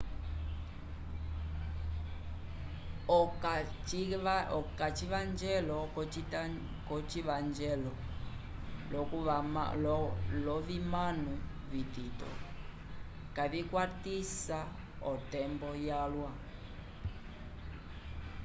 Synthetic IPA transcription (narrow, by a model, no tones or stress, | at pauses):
ɔkat͡ʃivand͡ʒɛlɔ | kɔt͡ʃivand͡ʒɛlɔ | lɔ | lɔvimanu | vititɔ̰ | kaβikwatisa | ɔtɛmbɔjalwa